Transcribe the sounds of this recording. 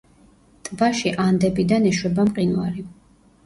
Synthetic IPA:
t̪ʼbaʃiʔand̪ɛbid̪anɛʃwɛbamqʼinwa̰ɾi

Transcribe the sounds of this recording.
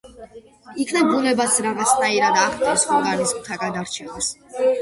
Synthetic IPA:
ikʰnɛbunɛbasʰɾaʁat̪sʰnaiɾad̪aχt̪ʼaɾsχwaɡaɾiskʼut̪ʰaɡad̪aɾt͡ʃʰɛmas

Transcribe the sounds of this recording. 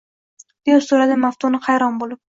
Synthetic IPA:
b̪̥ejosoɾad̪ɪmaft̪ʰonɪhajɾɒnbolˠɪp̚

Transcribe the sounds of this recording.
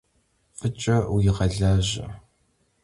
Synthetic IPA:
fət͡ʃʼɐwɪʁɐɮaːʑɐ̰

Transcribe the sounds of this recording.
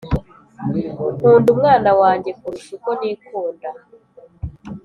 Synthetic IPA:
muːndumŋaːnawaːɲɟe̞kuɾuʃikoniːkuːnda

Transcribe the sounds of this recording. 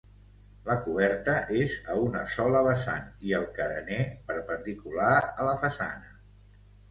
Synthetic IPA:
ləkuβɛɾt̪əʔezəunəsɔləβəsa̰niəlˠkəɾə̰nepəɾpənd̪ikulaələfəsa̰nə

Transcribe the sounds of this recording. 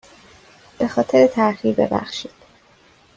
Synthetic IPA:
b̥e̞xɒːt̪ʰeɾet̪ʰæɾxiːɾbe̞̰bæ̰xʃiːd̪̥

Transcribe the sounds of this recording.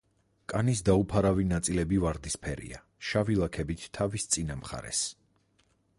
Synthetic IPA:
kʼanisd̪aupʰaɾavinat̪sʼilɛbivaɾd̪ispʰɛɾḭa̰ | ʃavilˠakʰɛbit̪ʰːavist̪sʼinamχa̰ɾɛ̰s

